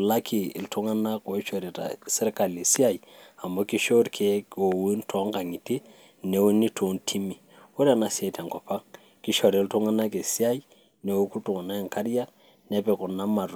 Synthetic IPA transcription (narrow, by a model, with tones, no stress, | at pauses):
la˦kʰi˨ɪ̰˨ltʊ˦ŋa˦na˦ko˨˦t͡ʃo˨ɾi˨ta̰˨sɛ˦ɾka˨le˨si˦a˦˨i˨a˨mɔ˦ki˦ʃo˦ɾkʰe˨˦o˨wu˦ntʰɔ˨˦ŋka˨ŋi˨ti˦ | ne˨˦wu˦ni˦tʰo˨˦ntʰi˦mi˨ | u˦ɾa˨na˨si˦a˨i˨ta˨ŋkɔ˨pa˦ŋ | ki˦ʃɔ˨ɾltu˦ŋa˦na˦ke˨si˦a˦i˦ | ne˨wu˦ku˦tu˨ŋa˨na˦ɛ˨ŋka˦ɾa˦ | nɛ˦pɛ˨kɔ˨na˦ma˨ɾ